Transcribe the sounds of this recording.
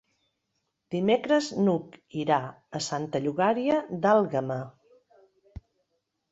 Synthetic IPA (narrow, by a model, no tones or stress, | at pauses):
d̪̥imekɾəznukiɾa | əsant̪əʎuɣaɾiəd̪alˠɣəma